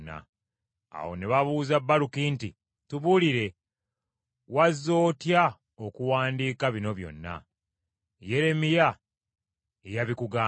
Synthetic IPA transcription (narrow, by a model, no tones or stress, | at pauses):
nːa̰ | a̰wo̞̰ne̞βaβuːzabːalukinti | tuβuliɾe̞ | wazːo̞ːtja | okuwaːndiːkaβino̞βjo̞̰nːa̰ | je̞ɾe̞mija | ejaβikuɡaː